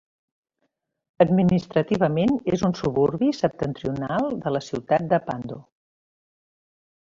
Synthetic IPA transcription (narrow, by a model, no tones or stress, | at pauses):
əd̪minist̪ɾət̪iβ̞əmenezunsuβuɾβisəp̚t̪ənt̪ɾiunalˠd̪ələsiwt̪at̪̚d̪əpand̪u